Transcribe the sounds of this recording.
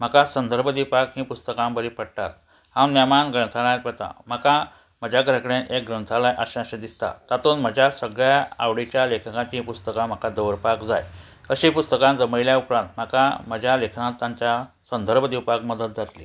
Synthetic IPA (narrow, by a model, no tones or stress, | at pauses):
m̤əkasənd̪ʱəɾbʱəd̪ipakɦĩːpust̪əkãmbəɾipəɽʈa̰t̪ | hãwnəmanɡəɳt̪ʰaɽ̃ajat̪ʋət̪a̰m̤əka | m̤əd͡ʑʱaɡɾəkɽẽʔek̚ɡɾənt̪ʰalajʔaɕãɕəd̪ist̪a̰t̪at̪uːnm̤əd͡ʑʱjasəɡɭjaa̰ʋɽit͡ɕjalekʰkãt͡ɕĩpust̪əkãm̤əkad̪əʋɾpakd͡za̰j | əɕipust̪əkãnd͡zəməɭiljaupɾãnt̪m̤əkam̤əd͡ʑʱalekʰnãt̪ːãɲt͡ɕja | sənd̪ʱəɾbʱəd̪ipakməd̪ət̪̚d͡zat̪lḭ